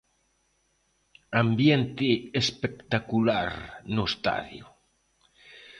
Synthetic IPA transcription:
ambjent̪ɪespekt̪akulaɾnoest̪a̰ðjo

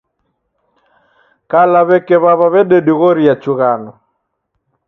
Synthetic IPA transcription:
kalaβɛkɛβaβaβɛɗɛɗiɣɔɾiat͡ʃuɣanɔ

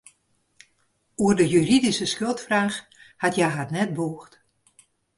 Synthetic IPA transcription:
uərdəjyridisəskølˠtfraːx | hatjajɦarnɛt̚boːxt

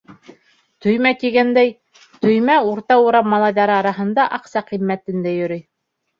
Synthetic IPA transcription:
t̪ɵ̆jmæk̪iɡænd̪æj | t̪ɵ̆jmæuɾt̪ɑuɾɑmːɑlˠɑjðɑɾɤɑɾɑɦɤ̆nd̪ɑʔɑqsɑqimːæt̪ɘ̆nd̪æjɵ̆ɾɘj

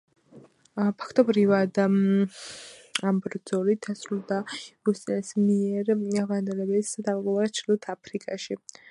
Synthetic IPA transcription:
pʰḁkʰt̪ʼɔbɾivad̪ | ambɾd̪z̥ɔlit̪̚asɾulˠd̪aɾust̪ʼinsmiɛɾvand̪ɛlɛbisd̪amqʼɔlˠaɛt͡ʃʰilɔt̪ʰapʰɾikʼa̰ʃi

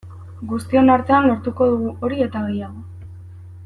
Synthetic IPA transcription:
ɡust̪ie̞naɾt̪e̞anlo̞ɾt̪uko̞ðuɣuʔo̞ɾie̞t̪aɣe̞jaɣo̞

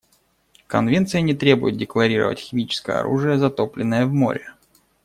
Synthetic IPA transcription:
kɐnvʲe̞nt̪sɨjənʲɪt̪ɾʲe̞bʊjʊt̪̚dʲɪklˠɐɾʲiɾə̰və̰tʲxʲɪmʲit͡ɕɪ̥skəjə̰ɐ̰ɾṵʐɨjəzɐt̪oplʲɪnːəjəvmo̞̰ɾʲɪ

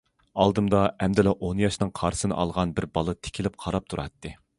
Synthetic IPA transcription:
ɑlˠd̪ɨmd̪ɑɛmd̪ɪlɛʔonjɑʃnɨŋqʰɑɾsɨnɨ̰ʔɑlˠʁɑnbɪɾbɑlˠɨt̪ʰɪ̥kʲʰilɪp̚qʰɑɾɑp̚t̪ʰuɾɑ̰t̪ːɨ

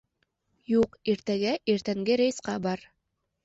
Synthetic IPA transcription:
juqiɾt̪æɡæʔiɾt̪æŋɡɘɾejsqɑbɑɾ

